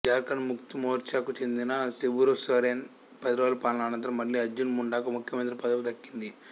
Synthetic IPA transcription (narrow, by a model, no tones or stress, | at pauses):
d͡ʒaːɾkɐnmukt̪umoːɾt͡ʃaːkut͡ʃe̞nd̪inɐsibuɾosɐːɾen | pɐd̪ɾoːlpaːnaːnɐnt̪ɾɐmːɐlːiːɐd͡ʒunmuɳɖaːkumukʰjɐmɐnt̪ɾipɐd̪ɐʋud̪ɐkːind̪i